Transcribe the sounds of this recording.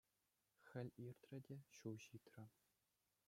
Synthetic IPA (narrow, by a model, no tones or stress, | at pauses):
xʲɘ̆lʲirʲt̪rʲɘ̆dʲeɕuwʑit̪ʲrʲɘ̆